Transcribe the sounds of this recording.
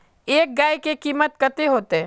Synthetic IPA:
eːk̚ɡaːekekiːmət̪̚kət̪eɦoːt̪e

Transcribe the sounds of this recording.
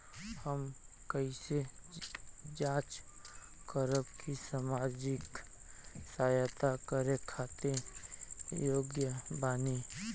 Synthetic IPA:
həmkəise | d͡ʒaːt͡ʃ | kəɾəbkʰisaːmaːd͡ʒɪk | saːjət̪akəɾekʰaːt̪e | joːɡjəbaːni

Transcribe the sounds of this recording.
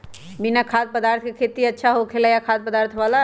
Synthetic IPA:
binakʰaːd̪̚pəd̪aːɾt̪ʰkekʰeːt̪iɐtːʃʰaɦokʰelajakʰaːd̪̚pəd̪aːɾt̪ʰʋala

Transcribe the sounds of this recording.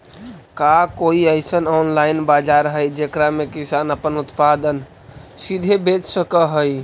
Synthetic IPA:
kakoiəɪsənɔnlaɪnbad͡ʒaɾɦəjd͡ʒekɾamekisanəpənut̪pad̪ən | sid̪ʱebet͡ʃsəkəɦəj

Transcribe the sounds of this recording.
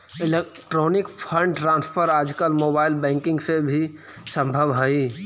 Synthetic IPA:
ɪlekʈɾoːnɪkpʰəɳɖʈɾãːnspʰəɾaːd͡ʒkəlmoːbaːɪlbɛ̃ːŋkɪ̃ŋɡsebʱi | sə̃mbʱəʋɦəi

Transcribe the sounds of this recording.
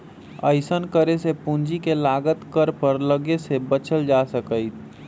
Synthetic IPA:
əɪsənkəɾesepũnd͡ʒikelaːɡət̪kəɾpəɾləɡesebət͡ʃəld͡ʒasəkəɪt̪ʰ

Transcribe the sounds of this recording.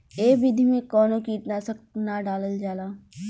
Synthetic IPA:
eːbɪd̪ʱimẽkɔːnokiːʈnasək̚t̪naɖaːləld͡ʒaːlaː

